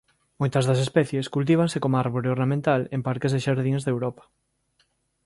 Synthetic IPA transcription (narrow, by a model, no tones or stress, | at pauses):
mojt̪ɐzðɐs̬espɛθjeskult̪̬iβ̞aŋsekomaɾβoɾeoɾnamẽnt̪alempaɾkezðeʃaɾðiŋzðewɾɔpɐ̥